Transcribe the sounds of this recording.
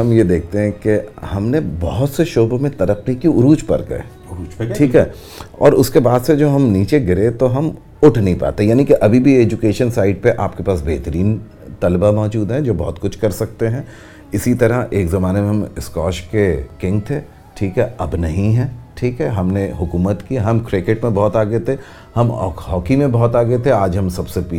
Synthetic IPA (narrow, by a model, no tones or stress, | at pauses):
ɦɐmjed̪eːk̚ʰt̪eɦɛ̃kehɐmnebɔɦʊt̪seʃoːbomẽt̪ɐɾəqnikiʊɾuːd͡ʒpɐ̰ɾkɐ̰ḛ | ʈʰiːkɦɛː | ɔ̰ːɾʊskebaːd̪sed͡ʒoːɦɐmniːt͡ʃeɡɪɾet̪oɦɐm | ʊʈʰnɐĩpa̰ːt̪eɦɛjaːnikeʔɐbʱibʱieːd͡ʒʊkeːʃənsaːɪɖ̚peʔaːpkepaːsbeːɦt̪əɾiːn | t̪ɐlbamɔːd͡ʒuːd̪ɦɛ̃d͡ʒoːbɔɦʊt̪kʊt͡ʃʰkɐɾsɐk̚t̪eɦɛ̃ː | ɪsit̪ɐɾəʔeːkzɐmaːnemẽɦɐmɪskɔːʃkekɪ̃ŋɡ̚t̪ʰeː | ʈʰiːkɦɛɐbnɐɦĩɦɛ̃ːʈʰiːkɦɛɦɐmneɦʊkuːmət̪kiɦɐmkɾɪkeʈmẽbɔɦʊt̪aːɡəet̪ʰe | hɐm̰ːɦɔːkimẽbɐɦʊt̪aːɡəet̪ʰeaːd͡ʒɦɐmsɐbsepi